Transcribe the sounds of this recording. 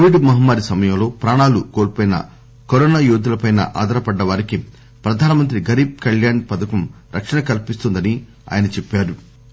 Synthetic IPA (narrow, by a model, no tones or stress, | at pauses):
koʋiɖmɐɦɐmːaːɾisɐmɐjɐmlo̞ːpɾaːɳaːlukoːɾpoːjinɐ̰ | koɾɔːnaːjuːd̪ulɐpɐjnɐ̰ʔa̰ːd̪ɐɾɐpɐɖːɐʋaːɾiki | pɾɐd̪ʱaːnɐmɐnt̪ɾiɡɐɾiːb̚kɐljaːnpɐd̪ɐkɐm | ɾʔɐkʂɐɳɐkɐlpist̪und̪ɐni | a̰ːjɐnɐt͡ʃepːaːɾu